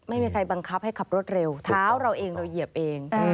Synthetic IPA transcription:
ma˥˩jmiː˧kʰa˧jba˧ŋkʰa˦˥p̚ha˥˩jkʰa˨˩p̚ɾu˥˩ət̪̚ɾe˧wt̪ʰaː˦˥wɾa˧wʔeː˧ŋɾa˧ji˨˩əp̚ʔeː˧ŋ

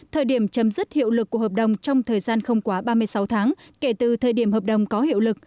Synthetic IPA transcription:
t̪ʰəː˨˩jɗi˧˩əmt͡ɕə˨˦mzɨ˦˥t̚hḭ˧˨wlɨ˨˩kːɦəː˨˩p̚ɗə˨˩wŋ͡mt͡ɕɔ˧wŋ͡mt̪ʰəː˨˩jzaː˧nxə˧wŋ͡mkwaː˨˦ɓaː˧mɨ˧əjsa˨˦wt̪ʰaː˨˦ŋke˧˩t̪ɨ˨˩t̪ʰəː˨˩jɗi˧˩əmɦəː˨˩p̚ɗə˨˩wŋ͡mkɔ˨˦hḭ˧˨wlɨ˨˩k̚

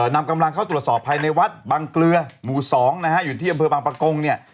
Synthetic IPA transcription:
na˧mka˧mla˧ŋkʰa˥˩t̪ɾu˩ət̪̚sɔː˨˩pʰːaː˧jna˧jwa˦˥t̪̚baː˧ŋklɯ˧ɐmuː˨˩sɔː˩˦ŋna˦˥kʰa˦˥ʔjuː˨˩t̪ʰiː˥˩ʔa˧mpʰɤː˧baː˧ŋpɾa˧ko˧ŋni˥˩ɐ

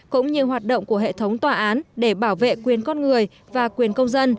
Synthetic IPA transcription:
kʊ̰˧˥ŋ͡mɲɨ˧ɦwaː˨˩t̚ɗo̰˧˨wŋ͡mku˧˩əɦḛ˧˨t̪ʰə˨˦wŋ͡mt̪waː˨˩ʔaː˨˦nɗe˧˩ɓaː˧˩wvḛ˧˨kwi˨˩ənkɔ˧nŋɨ˨˩əj | vaː˨˩kwi˨˩ənkə˧wŋ͡mzə˧n

